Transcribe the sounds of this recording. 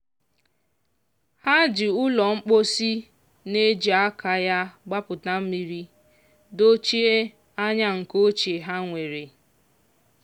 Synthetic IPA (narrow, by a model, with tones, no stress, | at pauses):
ha˦d͡ʒɪ˨ʊ˦lɔ˨ŋ͡m̩˦k͡po˦si˦ | ne˦d͡ʒi˨a˦ka˨ja˦ɡ͡ba˦pʊ˨ta˦m̩˦mi˨ɾi˦ | do˦t͡ʃi˦e˦ | a˦ɲa˦ŋ̩˨ko˦t͡ʃe˨ɦa˦ŋʷe˨ɾe˨